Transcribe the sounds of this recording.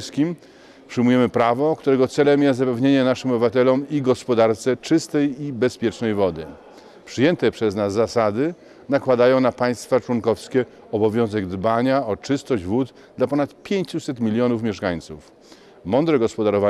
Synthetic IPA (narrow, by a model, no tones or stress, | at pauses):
skʲim | pʂɘjmujɛmɘpɾavɔkt̪uɾɛɡɔt̪sɛlɛmjɛsapɛvɲeɲɛnaʂɘmɔbɘvat̪ɛlɔmiɡɔspɔd̪aɾt̪sɛt͡ʂɘst̪ɛjibɛspʲjɛt͡ʂnɛjvɔd̪ɘ̰ | pʂɘjɛnt̪ɛpʂɛznazːasad̪ɘ | nakwad̪ajɔ̃w̃napaj̃st̪fat͡ʂwɔŋkɔfskʲɛ | ɔbɔvʲjɔ̃w̃zɛɡd̪baɲaɔt͡ʂɘst̪ɔʑd͡ʑvut̪ | d̪lapɔnat̪pʲjeɲt͡ɕusɛt̪mʲilʲjɔnufmʲjɛʂkaɲt̪suf | mɔnd̪ɾɛɡɔspɔd̪aɾɔva